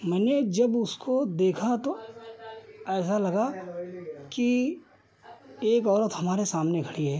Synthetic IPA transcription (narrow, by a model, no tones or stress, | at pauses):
mɛːned͡ʒɐbʊskod̪eːkʰat̪o | ɛːs̬alɐɡa | ki | eːkɔːɾət̪ɦɐmaːɾesaːmnekʰɐɽiɦɛː